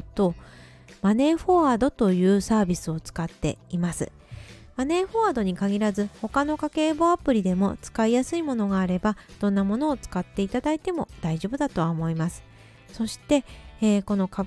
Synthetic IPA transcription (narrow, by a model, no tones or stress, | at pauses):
t̪o̞ | mane̞ːɸo̞ad̪o̞t̪o̞jɯ̟ːsaːbʲisɨo̞t͡sɨ̥kat̪ːe̞̰imasɨ̰ | mane̞ːɸo̞ad̪o̞ɲ̟ikaɡʲiɾazɨho̞kano̞kake̞ːbo̞apɯ̟ɾʲid̪e̞mo̞t͡sɨ̥kaijasɨimo̞no̞ɡaːɾe̞bad̪̥õ̞nːamo̞no̞ːt͡sɨ̥kat̪ːe̞it̪ad̪ait̪e̞mo̞d̪̥aiʑo̞ːbɯ̟d̪at̪o̞βaomo̞imasɨ̥ | so̞ɕi̥t̪e̞ko̞no̞ka